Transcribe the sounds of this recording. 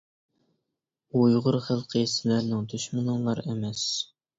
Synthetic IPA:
ujuʁʊɾχəlˠqʰəsɪlæɾnɪŋd̪yʃmɨnɨŋlˠɑɾemɛs

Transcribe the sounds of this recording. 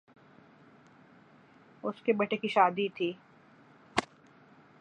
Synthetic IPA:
ʊskebɐʈekiʃaːd̪it̪ʰiː

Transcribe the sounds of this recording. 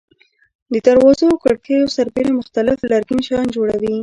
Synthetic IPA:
d̪ət̪aɾwɑzakaɽkejosaɾbeɾamʊxt̪alɪflaɾɡinʃɑjnd͡ʒoɽawi

